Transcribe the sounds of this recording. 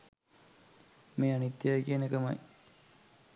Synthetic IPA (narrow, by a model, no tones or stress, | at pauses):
meːanit̪ːjajkienəkɐmɐ̰j